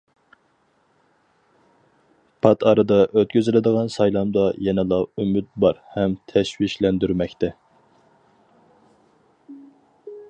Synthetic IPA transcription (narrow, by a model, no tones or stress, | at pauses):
pʰɑt̪ʰɑɾɨd̪ɑʔøt̪̚kʲøzɪlɪd̪əʁɑnsɑjlˠɑmd̪ɑjɛnɛlˠɑymyt̪̚bɑɾhɛmt̪ʰɛʃwiʃlɛnd̪yɾmɛkʲt̪ʰɛ